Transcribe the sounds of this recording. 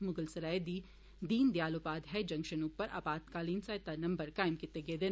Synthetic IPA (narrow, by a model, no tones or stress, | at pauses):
mʊɡəlsɐɾaːjd̪i | d̪iːnd̪jaːlopaːd̪ɦɛd͡ʒɐ̃ŋkʃənupːəɾʔa̰ːpaːt̪kaːliːnsɐːɪt̪anɐ̃mbəɾkaːɪmkɪt̪ːeɡeːd̪ɪ